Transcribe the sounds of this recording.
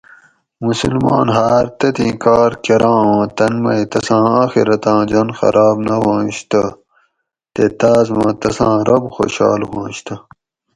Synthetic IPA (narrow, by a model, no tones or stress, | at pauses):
musulma̰ːnɦaːɾt̪ɐt̪ĩːkaːɾkeɾãːãːt̪ɐnmɐit̪ɐsãːaːxiɾɐt̪ãːd͡ʑɐnxɐ̰ɾʔaːbnɐɦãːɕt̪ɐ | t̪et̪aːzmɐ̃ːt̪ɐsãːɾɐbxo̰ːɕa̰ːlɦãːɕt̪ʰɐ